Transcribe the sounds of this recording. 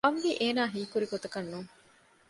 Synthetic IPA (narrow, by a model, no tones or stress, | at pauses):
ɐmʋiʔeːnaːɦiːkuɾiɡot̪ɐkɐnːuŋ